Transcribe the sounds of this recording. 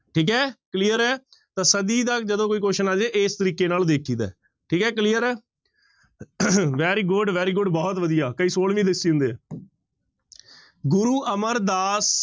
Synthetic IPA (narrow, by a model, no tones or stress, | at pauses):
ʈʰiːkɦɛːkliːəɾɛː | t̪ãːsəd̪iːd̪aːd͡ʒəd̪õːkoːiːkoːʃənaːd͡ʒeːʔeːst̪əɾiːkeːnaːld̪eːkʰiːd̪a̰ː | ʈʰiːkɦɛːkliːəɾɛː | ʋɛːɾiːɡʊɖʋɛːɾiːɡʊɖbɔːt̪ʋəd̪ijaːkəiːsoːlʋĩːd̪ɪsːĩːnd̪eː | ɡʊɾuːʔəməɾd̪aːs